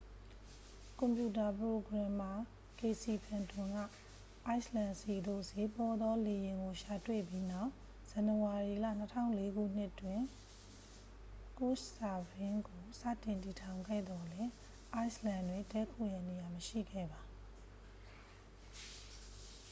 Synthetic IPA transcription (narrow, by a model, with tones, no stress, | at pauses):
kʊ̃˨mpju˨ta˨pəɹo˨ɡɹã˨ma˨ | ke˨si˨pʰã˨ntʰʊ̃˨ŋɡa̰˦˨ | ʔa˦ɪslã˨nsi˨d̪o̰˦˨se˨pɔ˨d̪ɔ˦le˨jɪ̃˨ŋɡo˨ʃa˨twḛ˦˨pji˦na˦˨ʊ | z̥ã˨nə˨wa˨ɹi˨lä̰˦˨n̥ətʰã̰˦˨ʊ̃le˦ɡṵ˦˨n̥ɪ˦twɪ̃˨ | ko˦˨ʃsa˨bɪ̃˦ŋɡo˨sä̰˦˨tɪ̃˨nti˨tʰã˨ʊ̃ŋɡɛ̰˦˨d̪ɔ˨lɛ˦ | ʔa˦ɪslã˨ndwɪ̃˨dɛ˦˨kʰo̰˦˨ja˦˨ne˨ja˨məʃḭ˦˨ɡɛ̰˦˨ba˨